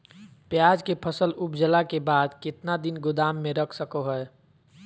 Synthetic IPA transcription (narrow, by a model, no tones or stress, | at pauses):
pjaːd͡ʒkepʰəsəlʊpd͡ʒəlakebaːd̪kɪt̪nad̪ɪnɡʊd̪aːmːẽɾəkʰsəkoɦəː